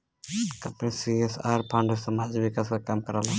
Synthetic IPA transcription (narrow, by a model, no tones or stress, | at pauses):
kɐmpnisiesaːɾpʰãːɳɖəsɐmaːd͡ʒʋɪkaskakaːmkəɾala